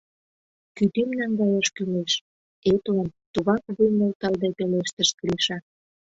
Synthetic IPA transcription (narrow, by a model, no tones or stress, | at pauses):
kyt̪ymnæŋɡɑjəʃkyleʃ | et̪lɑnt̪uɣɑkβujnolt̪ɑld̪epeleʃt̪əʃkliʃɑ